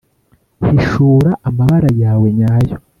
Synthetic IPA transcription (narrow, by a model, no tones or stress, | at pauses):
hiʃuːɾaʔamaβaɾajaːwe̞ɲajo